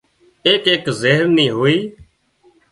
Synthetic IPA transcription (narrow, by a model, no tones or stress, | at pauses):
eːkeːkzeɦəɾniːɦoːiː